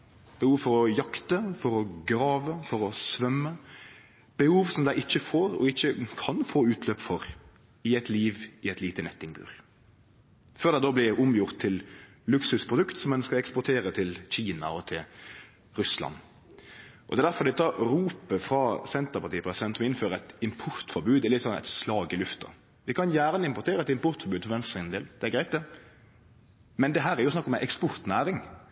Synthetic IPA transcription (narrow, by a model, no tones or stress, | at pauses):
b̥əhuːʋfɔɾɔjɑkt̪əfɔɾɔɡɾɑːʋəfɔɾɔsʋœmːə | b̥əhuːʋsɔmd̪æɪɪçːəfoːɾɔ̰ɪçːəkʰɑnfoːʉːt̪ʰløːpfɔɾ | ɪɛɪt̪liːʋɪɛt̪liːt̪ənɛt̪ːɪŋbʉ̰ːʁ | føːʁd̪æɪd̪oːblɪɾʊmjʊʁt̪ʰːɪl | lʉksʉspʰʁʊd̪ʉkt̪sɔmːɛnskɑɛkspɔt̪ʰeːɾət̪ʰɪlɕiːnɑ̰ɔt̪ʰɪl | ɾʉslɑ̰nː | ʔɔd̪ɛːd̪æɾfɔɾd̪ɛt̪ʰɑɾuːpəfɾɑsɛnt̪əpɑt̪iːəpʰɾɛsɪd̪ɛnt̪ɔmɔɪnføːɾəɛt̪ɪmpʰʊɾt̪fɔɾbʉːd̪ɛlɪt̪ːsɔnːɛ̰t̪slɑːɡɪlʉft̪ɑ̰ | ʋɪkʰɑnjæːʁnəɪmpɔɾt̪ʰeːɾəɛt̪ɪmpʊʁt̪fɔɾbʉːd̪fɔʋɛnst̪ʁɪnnd̪ḛːld̪̥ɛæɾɡɾæɪt̪̚d̪ɛ | mɛnd̪ɛɦæːɾæɾjʊsnɑkːɔmɛʔɛkspʊʁt̪næːɾɪŋ